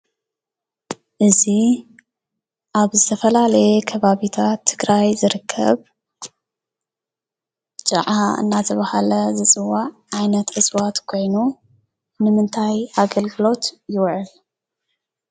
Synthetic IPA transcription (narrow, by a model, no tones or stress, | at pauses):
ʔɨzi | ʔaβzɨt̪ʰɐfɐlalɐjɛkʰɐβaβit̪ʰat̪ʰːɨɡɾajzɨɾɨkʰːɐ̰β | t͡ʃʼɐ̰ʕaɨ̰nːat̪ʰɐβahalɐzɨt͡sʼɨwːaʕ | ajnɐt̪ɨswat̪kʰo̞jnu | nɨmɨnt̪ʰajaɡɐlɡɨlo̞t̪jɪwʕɨl